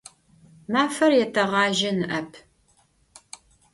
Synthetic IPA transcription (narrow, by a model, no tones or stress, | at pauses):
maːfɐrjɛtʰɐʁɑːʒɐnɨʔɐpʰ